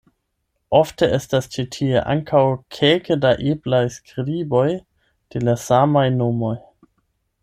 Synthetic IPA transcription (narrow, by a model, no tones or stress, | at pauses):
ʔofteʔestast͡ʃitʰiḛʔa̰ŋkʰawkʰelkədaʔiblajskɾibo̞j | d̥elasamajnomo̞j